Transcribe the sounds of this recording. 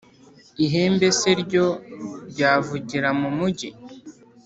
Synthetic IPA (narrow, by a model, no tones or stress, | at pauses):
iɦeːmbe̞seɾɟo̞ɟaːvuɟiɾamumuɟi